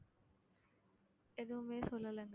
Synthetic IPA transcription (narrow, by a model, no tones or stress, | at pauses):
ed̪umeːsolɐlɐŋɡ